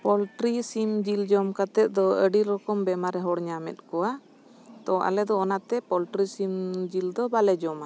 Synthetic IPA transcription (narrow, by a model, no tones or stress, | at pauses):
pɔlʈɾisimd͡ʒild͡ʒɔmkat̪ɛt̪̚ˀd̪ɔəɖiɾɔkɔmbɛmaɾɛɦɔɽɲamɛ̰t̪̚ˀkɔwa | t̪ɔʔa̰lɛd̪ɔːnat̪ɛpɔlʈɾisimd͡ʒild̪ɔbalɛd͡ʒɔma